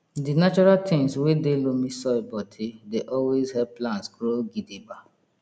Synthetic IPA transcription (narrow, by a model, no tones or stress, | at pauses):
dinat͡ʃɔɹaltʰẽŋswedelomĩsɔbɔtʰideʔɔlwezhɛplãntsɡɾoɡideba